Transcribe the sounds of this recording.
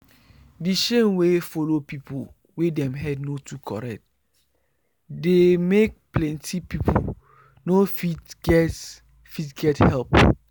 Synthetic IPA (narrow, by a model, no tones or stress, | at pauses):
diʃẽmwefolopipʰo | wedɛ̃mɦɛdnotʰukʰɔ̰ɹɛk̚t | demek̚plɛ̃ntʰipipʰo | nofitɡɛt | fitɡɛthɛlp